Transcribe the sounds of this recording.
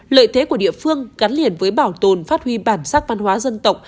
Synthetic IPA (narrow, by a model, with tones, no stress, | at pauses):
lə̰ː˧˨jt̪ʰe˨˦ku˧˩əɗḭ˧˨əfɨ˧əŋɣa˨˦nli˧˩ənvəː˨˦jɓaː˧˩wt̪o˨˩nfaː˦˥t̚hwi˧ɓaː˧˩nsaː˦˥k̚va˧nhwaː˨˦zə˧nt̪ə˨˩wk͡p̚